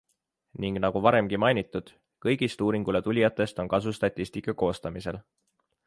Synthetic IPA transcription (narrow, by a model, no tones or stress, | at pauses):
niŋɡ̥nɑɡ̥uvɑɾe̞mɡ̥imɑjnit̪ːˑud̪̥ | kɤjɡ̥ist̪uːɾiŋɡ̥ulet̪ulʲijɑt̪ˑːe̞st̪o̞nkɑs̬ust̪ɑt̪ʲːˑisʲt̪ikːˑɑko̞ːst̪ɑmise̞l